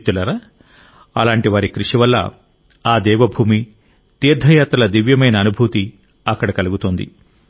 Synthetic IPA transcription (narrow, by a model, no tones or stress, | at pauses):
t̪ːulɐɾaː | ɐ̰laːɳʈiʋaːɾikɾiʂiʋɐlːɐ̰ | aːd̪ɛːʋɐbʱuːmi | t̪iːɾd̪ʱɐjaːt̪ɐlɐd̪iʋjɐmɐjnɐːnubʱut̪i | ɐkːɐɽɐkɐluɡut̪ond̪ḭ